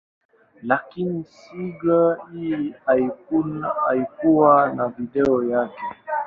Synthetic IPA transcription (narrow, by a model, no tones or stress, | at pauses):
lakinisiɡaiiaikuna̰ikuwanaviɗɛɔjakɛ